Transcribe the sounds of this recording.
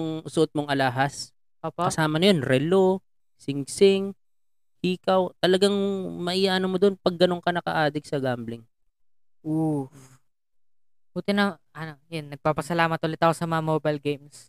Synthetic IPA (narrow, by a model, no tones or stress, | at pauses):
ŋsʊʔot̪̚moŋʔɐlaːɦɐs | ʔoːpokɐsaːmɐnɐjonɾɛlo | sɪŋsɪŋ | hiːkɐwt̪ɐlɐɡaŋmɐʔiːjaʔɐnomod̪onpɐɡːɐno̞ŋkɐnɐkɐ̰ʔaːd̪ɪɡ̚sɐɡamblɪŋ | ʔo | ʔuːt̪ɛnɐ | ɐnojanːɐɡ̚paːpɐsɐlaːmɐt̪̚ʔʊlɪt̪ɐko̞sɐmɐŋamoːbɐjlɡejms